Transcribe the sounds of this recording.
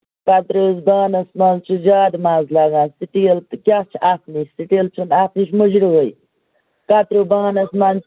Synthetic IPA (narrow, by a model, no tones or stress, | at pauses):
kat̪ɾuzbaːnɐsmant͡ʃʰud͡ʒaːd̪maːzlaːɡãːnsiʈilt̪kʲaːt͡ʃʰaːfnit͡ʃsiʈilt͡ʃʰunaːfniʃmud͡ʒɾiɦoj | kat̪ɾubaːnɐsman